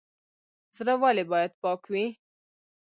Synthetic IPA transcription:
zɾawalebɑjad̪̚pɑkwi

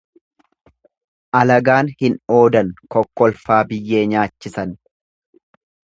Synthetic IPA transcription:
ʔɐlɐɡaːnhɪno̞ːd̪ɐnkɔkːɔlfaːbɪjːe̞ːɲaːt͡ʃːɪsɐn

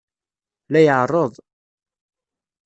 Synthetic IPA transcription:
læjəʕrˤːoðˤ

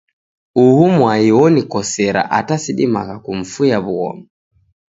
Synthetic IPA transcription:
uhumwaiɔnikɔsɛɾa̰ʔatasiɗimakakum̩fujaβuɣɔ̰mɛ

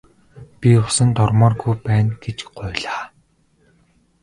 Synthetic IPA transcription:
pʲiʊsə̆nt̪ɔrmɔːrɡujpæːnɡ̥et͡ɕɢʊːɮaː

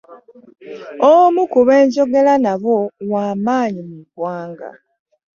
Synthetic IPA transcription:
omukuβe̞ːɲɟo̞ɡe̞lanaβowaːmaːɲimuɡwaːŋɡa̰

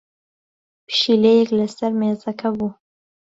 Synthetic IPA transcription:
pʃilejeklɐsɐɾmeːzɐkʰɐbu

